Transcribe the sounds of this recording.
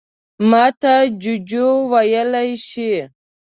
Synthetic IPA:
mɑt̪ad͡ʒud͡ʒowajəlajʃi

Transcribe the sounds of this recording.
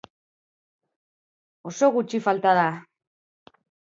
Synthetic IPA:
o̞so̞ɣut͡ʃifalt̪aða

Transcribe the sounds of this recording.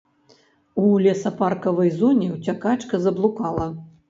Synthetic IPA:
ulʲɛsɐparkɐvɐjzɔnʲɛwt͡sʲakat͡ʂkɐzɐblˠukalˠɐ

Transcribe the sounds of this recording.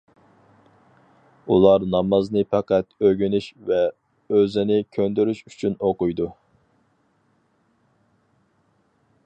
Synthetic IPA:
ulˠɑɾnɑmɑznɨpɑqʰæt̪øɡʲynyʃvɛ | øzɪnɪkʲʰønd̪yɾyʃy̥t͡ʃʰynoqʊjd̪u

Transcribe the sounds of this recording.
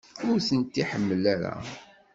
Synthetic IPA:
ʊɾθənt̪ːiħəmːəlæɾæ̰

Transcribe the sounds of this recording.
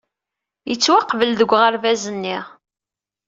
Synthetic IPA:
jət͡sːwaqːvəlðəɡʷːʁəɾvæzənːiʁ

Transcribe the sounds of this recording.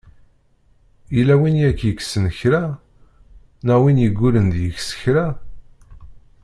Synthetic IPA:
ilæwinjækːjəkːsənçɾæ | næwinjəɡʷːulənd̪jəçsə̥çɾæ

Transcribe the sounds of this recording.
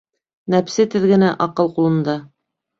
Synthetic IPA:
næpsɘt̪ɘ̆ðɡɘ̆næʔɑqɤlˠqulˠɤ̆nd̪ɑ

